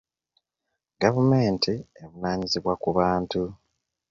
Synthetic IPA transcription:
ɡavume̞ːntʰieβunaːɲiziβwakuβaːntu

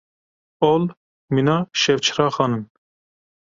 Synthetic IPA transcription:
ol | minɑːʃɛwt͡ʃʰɾɑːxɑːnɨn

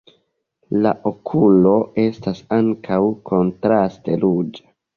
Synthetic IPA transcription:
la̰ʔokʰulo̞e̞stasaŋkʰawkʰo̞ntɾaste̞lud͡ʒa

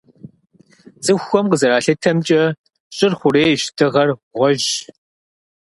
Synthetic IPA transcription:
zɨxʷɔmqəzɐɾaːɬɐtʰɐmt͡ʃʼɐ | ɕʼɪrχʷʊɾeːɕtʰɨʁɐrʁʷɔʒ

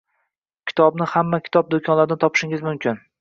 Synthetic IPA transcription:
kʲʰɪ̥t̪ʰɒbnɪhamːakʲʰɪ̥t̪ʰɒb̚d̪okʲʰɒnlaɾɪnɪt̪ʰɒpʰɪ̥ʃɪŋɪzmʊmkʲʰɪn

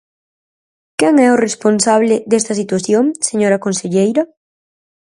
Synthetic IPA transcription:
kɛŋɛoresponsaβ̞lɪd̪est̪ɐsit̪waθjoŋseɲoɾɐkonseʎejɾɐ

